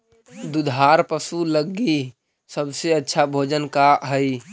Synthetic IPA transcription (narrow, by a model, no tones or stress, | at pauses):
d̪ud̪ʱaɾpəsuləɡi | səbseətːʃʰabʱoːd͡ʒənkaɦəi